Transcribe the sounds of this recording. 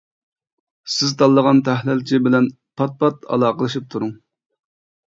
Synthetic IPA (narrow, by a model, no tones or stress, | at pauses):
sɪzt̪ʰɑlˠːəʁɑnt̪ʰæhlɪlt͡ʃʰibɪlɛn | pʰɑt̪̚pʰɑt̪ɑ̰lˠɑːqəlˠɨʃip̚t̪ʰuɾuŋ